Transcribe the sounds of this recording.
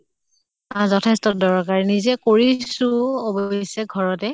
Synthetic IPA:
azɔtʰɛstɔdɔɹkaɹnizɛkoɹisuobɔjsɛɡʱɔɹɔtɛ

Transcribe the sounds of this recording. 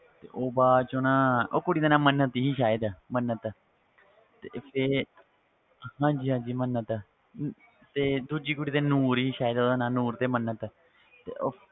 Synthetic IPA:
t̪ḛːʔoːbaːt͡ʃõːnãːoːkʊɽiːd̪aːnãːmənət̪ɦiːʃaːɪd̪amənət̪ | t̪eːpʰe | hãːd͡ʒiːɦãːɲd͡ʒiːmənːət̪ | t̪eːd̪ud͡ʒiːkʊɽiːt̪eːnuːɾɦiːʃaːed̪d̪aːnãːnuːɾt̪eːmənːət̪ | t̪ḛːʔoː

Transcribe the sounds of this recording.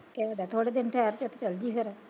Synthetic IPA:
keədɛːt̪ʰoːɽeːd̪ɪnʈʰɛːɾt͡ʃot̪ʰet͡ʃəld͡ʒiːɦoɾɛː

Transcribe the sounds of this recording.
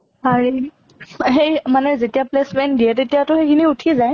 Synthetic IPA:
haɹi | ɦejmanɛzetijaplesmɛndiɛtetijatʊhejkʰiniutʰizaj

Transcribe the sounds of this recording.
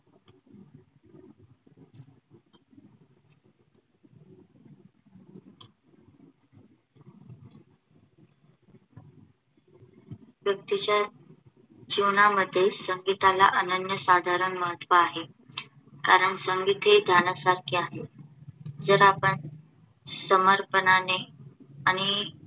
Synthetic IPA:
ʋjək̚t̪it͡ɕa | d͡ʑiʋnaməd̪ʱːjesəŋɡit̪ala̰ʔənənjəsad̪ʱaɾəɳməɦət̪ːʋaːɦe | kaɾəɳsəŋɡit̪ed̪ʱjanasaɾkʰiaɦe | d͡zəɾapəɳ | səməɾpənane | aɽ̃i

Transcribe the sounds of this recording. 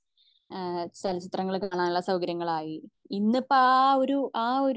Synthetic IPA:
sɐlɐsit̪rɐŋːɐɭkaːɳaːnuɭːɐsɐwɡɐɾjɐŋːɐɭaːji | inːɐpːoɭaoɾuʔaːoɾ

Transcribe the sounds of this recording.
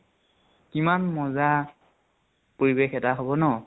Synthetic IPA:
kimanmɔza | poɹibexɛtaɦobɔnɔ

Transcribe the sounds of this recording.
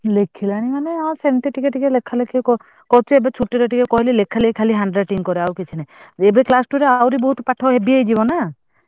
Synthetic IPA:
lekʰːilaɽ̃imaneawsebenʈ̪iʈikeʈikelekʰːalekʰikɔ | kɔt͡ʃʰeebet͡ʃʰuʈːiɾɔʈikekɔɦililekʰːalekʰaliɦaɳɖɾaʈiŋkɔɾeawket͡ʃʰineebeklasʈuɾeawɾibɔɦut̪ɔpaʈʰɔɦebiejd͡ʒibɔna

